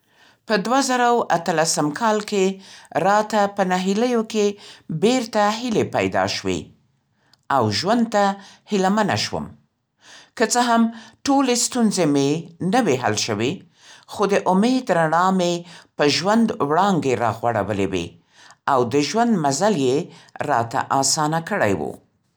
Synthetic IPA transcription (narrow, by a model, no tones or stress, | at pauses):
pəd̪wazaɾawat̪əlasəmkʰɑlkeɾɑt̪apənaɦiləjokebeɾt̪aɦɪlepa̰jd̪ɑ̰ʃwḛ | awʒwand̪̚t̪ahɪlamana̰ʃwə̰m | kət͡səɦamʈolest̪unzemenəweɦa̰lʃəwe | xod̪əʔʊmed̪ɾanɑmepəʒwand̪wɽɑŋɡeɾɑɣwaɽa̰wəlḛwḛ | awd̪əʒwand̪mazaljeɾɑ̰t̪a̰ʔɑsɑnakəɽa̰jwṵ